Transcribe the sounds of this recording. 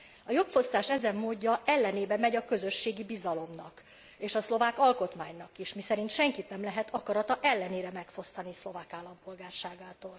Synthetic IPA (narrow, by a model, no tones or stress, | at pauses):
ɒjo̞kfo̞st̪aːʃɛzɛmːoːɟːɒɛlːɛneːbɛmɛɟɒkøzø̞ʃːeːɡibizɒlo̞mnɒk | eːʃɒslo̞vaːkɒlko̞t̪maːɲnɒkiʃmisɛɾint̪ʃɛŋkit̪nɛmlɛɦɛt̪ɒkɒɾɒt̪ɒʔɛlːɛneːɾɛmɛkfo̞st̪ɒnislo̞vaːkaːlːɒmpo̞lɡaːrʃaːɡaːt̪oːl